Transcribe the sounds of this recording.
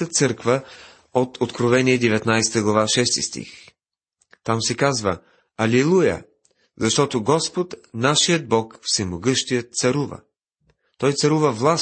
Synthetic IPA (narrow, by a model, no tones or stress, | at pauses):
ət̪sɤɾkvə | ot̪ʰot̪kɾovɛniɛd̪ɛvɛt̪najsɛ̥t̪əɡlˠɐvaʃɛst̪ḭst̪ḭx | t̪amsɛkazvə | ɐlɛlˠujə̰ | zɐʃt̪ɔt̪oɡɔspot̪naʃijəd̪̚bɔkfsɛmoɡɤʃt̪ijət̪sɐɾuvə̰ | t̪ɔjt̪sɐɾuvəvlˠas